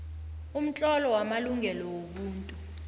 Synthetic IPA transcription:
um̩t͡ɬʼɔlɔwamaluŋɛlɔwoɓuːntʼu

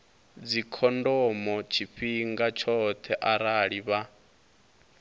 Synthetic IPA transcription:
d͡zikʰɔndɔmɔt͡ʃʰiɸiŋɡat͡ʃʰɔt̪ʰɛʔaɾaɺiβa

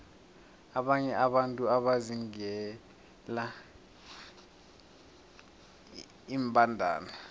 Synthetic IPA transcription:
aɓaɲɛʔaɓantʼuaɓaziŋɛ | la | imbʱʼandʱa̰ːna

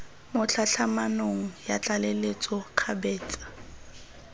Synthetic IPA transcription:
mʊt͡ɬʰaɬʰamanoŋ̩jat͡ɬʼalelet͡sʼɔq͡χʰabɛːt͡sʼḁ

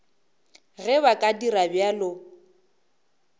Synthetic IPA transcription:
ɣɛβakʼadiɾabjalʊ

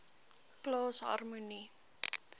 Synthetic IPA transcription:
kloːsɦa̰rmuni

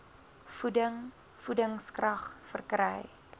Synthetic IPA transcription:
fudəŋ | fudəŋskrɐχfərkrɛ̰j

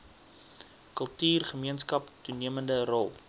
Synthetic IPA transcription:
kəlˠtyːrχəmiənskɐptuniəməndərɔlˠ

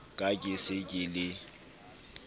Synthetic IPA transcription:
kʼakʼɪsɪkʼɪlɪ

